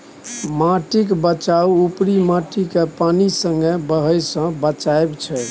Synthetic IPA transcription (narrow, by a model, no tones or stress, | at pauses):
maʈikbət͡ʃauupɾimaʈikepanisəŋɡebəɦəjsə̃bət͡ʃaebt͡ʃʰɛ